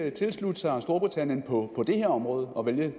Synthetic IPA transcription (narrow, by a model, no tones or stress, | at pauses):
t͡sʰe̝lslud̥əsɑ̈sd̥o̝ɐb̥ʁit͡sʰænjənpʰɒ̽pʰɒ̽d̥e̝heɐ̰ɒ̽mʁɔːð̞ˠɒ̽ʋeljə